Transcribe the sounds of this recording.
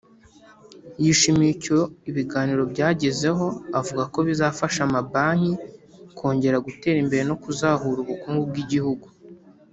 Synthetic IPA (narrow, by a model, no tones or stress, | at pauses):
jiʃimicoiβiɡaːniɾo̞bɟaːɟeze̞ɦo̞avuɡako̞βizaːfaʃamabaːɲikʰo̞ːɲɟe̞ɾaɡute̞ːɾimbe̞ɾeno̞kuzaːhuɾuβukuːŋɡub̚ɡiɟihuɡu